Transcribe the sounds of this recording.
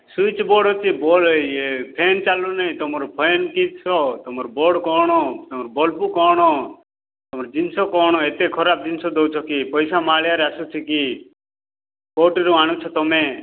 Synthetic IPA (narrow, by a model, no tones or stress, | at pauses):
suit͡ʃbɔːɽot͡ʃʰibɔlpʰeːnt͡ʃalunəĩt̪ɔmɾpʰɔjnkit͡ʃʰɔt̪ɔmɾbɔːɽkɔːɽ̃ɔːt̪ɔmɾubɔlpukɔːɽ̃ɔː | t̪ɔmɾd͡ʒinsɔkɔːɽ̃ɔet̪ekʰɔɾaːp̚d͡ʒinsɔd̪owt͡ʃʰɔkipɔjsamaːljaɾɛəsut͡ʃʰiki | koːʈiɾuaːɽ̃ut͡ʃʰɔt̪ɔmẽ